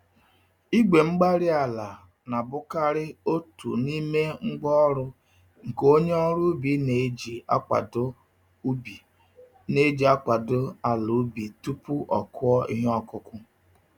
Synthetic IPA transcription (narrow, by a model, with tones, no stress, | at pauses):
i˦ɡ͡be˨ŋ͡m̩˦ɡ͡ba˦ɾɪ˦a˨la˨ | na˨bʊ˦ka˦ɾɪ˦o˦tṵ˨ni˦me˦ŋ͡m̩˦ɡ͡bɔ˦ɾʊ˦ | ŋ̩˨ko˦ɲe˦ɔ˦ɾu˦bi˨˦ne˨˦d͡ʒi˨a˦k͡pa̰˨d | bi˨ | ne˦d͡ʒi˨˦a˦k͡pa˨dʊ˦a˨lu˨˦bi˨tu˦pu˦ʔɔ˨kʊ˦ɔ˦ḭ˦ɦe˦ɔ˦kʊ˦kʊ˦